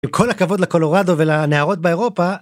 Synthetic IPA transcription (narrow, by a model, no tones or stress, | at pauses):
imkʰo̞lakavo̞d̪lako̞lo̞ʁado̞velaneaʁo̞t̪̚beeʁo̞pa